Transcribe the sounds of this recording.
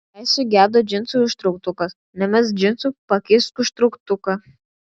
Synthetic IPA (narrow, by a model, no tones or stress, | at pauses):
ɛɪsʲʊɡʲæːd̪od͡ʒʲɪnt̪suɪʃt̪ɾʊk̚t̪ʊkɐs | nʲɛmʲɛs̬d͡ʒʲɪnt̪supɐkʲɪskʊʃt̪ɾʊkt̪ʊkɐ